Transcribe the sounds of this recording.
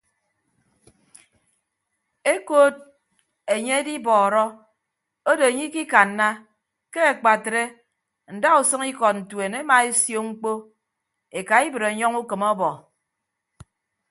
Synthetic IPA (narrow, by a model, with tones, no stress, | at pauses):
e˦ko˦d̚ | e˨ɲe˦e˦di˦bɔː˨ɾɔ˦ | o˦do˨e˨ɲi˦ki˦ka˨nːa˦ | ke˦e˨k͡pa˨tɾe˦ | n̩˨da˦u˨sɨ˦ŋi˦kɔ˨t̚n̩˨twe˨ne˦ma˨e˦sjo˦ŋ͡m̩˦k͡po˦ | e˨ka˨i˦bɨ˨ɾe˨ɲɔ˦ŋu˦kɨ˨mɔ˦bɔ˨